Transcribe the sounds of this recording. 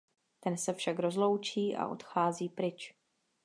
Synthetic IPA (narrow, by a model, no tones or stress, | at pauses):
t̪ɛnsɛfʃakɾo̞zlo̞wt͡ʃiːʔa̰ʔo̞̰t̪xaːziːpɾɪt͡ʃ